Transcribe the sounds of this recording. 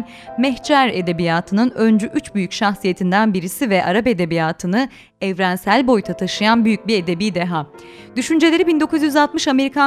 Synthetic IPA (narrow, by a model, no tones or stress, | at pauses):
mɛçd͡ʒaɾe̞d̪e̞bijaːt̪ʰɯnɯnø̞nd͡ʒyʔyt͡ʃbyjycʃaxsije̞t̪ʰind̪ænbiɾisivɛʔaɾape̞d̪e̞bijaːt̪ʰɯnɯ | ɛvɾænsælʲbo̞jt̪ʰat̪ʰaʃɯjanbyjyc̚bie̞d̪e̞biːd̪eɦa | d̪yʃynd͡ʒe̞lʲe̞ɾibind̪o̞kʰuzjyzalˠt̪mɯʃame̞ɾikʰa